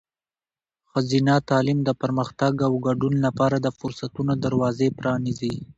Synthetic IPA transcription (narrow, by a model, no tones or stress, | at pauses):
xazinat̪ɑlimd̪əpaɾməxt̪aɡawɡaɖunlapɑɾad̪əfʊɾsat̪unod̪aɾwɑzepɾɑnizi